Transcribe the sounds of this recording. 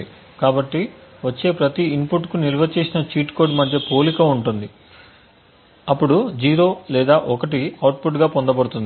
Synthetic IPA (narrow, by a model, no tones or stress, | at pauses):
i | kaːbɐʈːiʋɐt͡ʃːe̞ːpɾɐt̪iimpuʈːkuniɾʋɐt͡ʃe̞ːsinɐt͡ʃiːʈko̞ːɖmɐd̪ʱjɐpoːlikɐuɳʈund̪i | ɐpːuɽud͡ʒiːɾo̞ːlɛːd̪aːʔɔkɐʈiɐwʈpuʈɡaːpond̪ɐbɐɽut̪und̪i